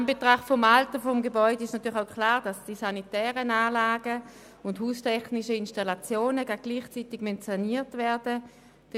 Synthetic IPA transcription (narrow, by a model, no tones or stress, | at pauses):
mbetʁaχfɔmaltəfɔmɡebɔʏdəɪʃtnatʰyːɐlaʊkʰlaːʁd̥asd̥isanitɛːʁənaːlaːɡə | ʊnthuːstʰɛχnɪʃəɪnʃtalat͡sjoːnəɡaɡ̚ɡ̥liːχt͡sitɪɡmɛntt͡saniːɐtvɛɐdə | d̥